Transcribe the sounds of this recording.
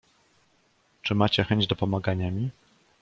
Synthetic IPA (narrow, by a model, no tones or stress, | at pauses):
t͡ʂɘmat͡ɕɛxɛɲd͡ʑd̪ɔpɔmaɡaɲamʲi